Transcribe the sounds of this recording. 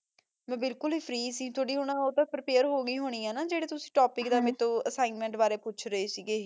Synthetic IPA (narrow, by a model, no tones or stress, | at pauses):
mɛ̃ːbɪlkʊlɦiːpʰɾiːsiːt̪ʰoːɽiːɦʊɽ̃ãːoːt̪ãːpɾɪpeːəɾɦoːɡiːɦoːɽ̃iːãːnaːd͡ʒeːɽeːt̪ʊsĩːʈoːpɪkd̪aːmet̪õːəsaːɪnmɛ̃ɳʈbaːɾeːpʊːt͡ʃʰɾəeːsiːɡeː